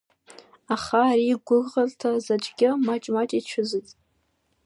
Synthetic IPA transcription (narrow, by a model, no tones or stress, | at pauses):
aχaːɾiɡʷʊrʁartʰazat͡ʃʼɡʲɪmat͡ʃʼmat͡ʃʼit͡ʃʷʰɨzɨtʼ